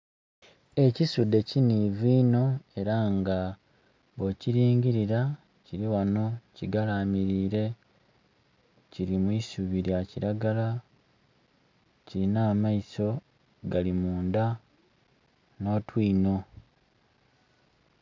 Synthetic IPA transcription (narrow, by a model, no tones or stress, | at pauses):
e̞cisudːe̞ciniviːno̞e̞ɾaŋɡa | βociɾiːɲɟiɾiɾa | ciɾiwano̞ciɡalaːmiɾiːɾe̞ | ciɾimwisuβiɾjaciɾaɡala | ciɾinaːmaiso̞ | ɡalimuːnda | no̞ːtwiːno̞